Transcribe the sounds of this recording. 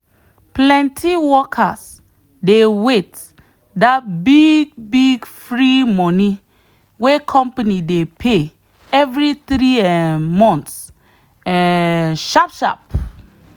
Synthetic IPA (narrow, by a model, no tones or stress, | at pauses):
plɛ̃ntʰiwɔkʰas | dewet | dat̚biɡ̚biɡfɹimɔni | wekʰɔ̃mpanidepʰe | ɛvɾit̪ɾiɛmɔ̃nts | ɛʃapʃa̰p̚